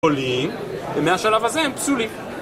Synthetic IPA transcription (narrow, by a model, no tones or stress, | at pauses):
olim | vemeaʃalavhazehempsulim